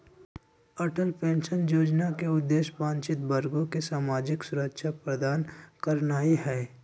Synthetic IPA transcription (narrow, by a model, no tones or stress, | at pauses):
əʈəlpẽːnʃənjoːd͡ʒnakeʊd̪ːeːʃpãːnt͡ʃɪt̪bəɾɡõkesaːmaːd͡ʒɪksʊɾəkʃʰapɾəd̪aːnkəɾnaːiɦɛː